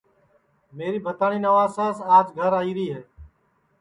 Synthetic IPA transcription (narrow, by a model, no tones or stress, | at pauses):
meːɾiːbʱət̪aːɳiːnəʋaːsaːsaːd͡ʒɡʱəɾaːiːɾiːɦeː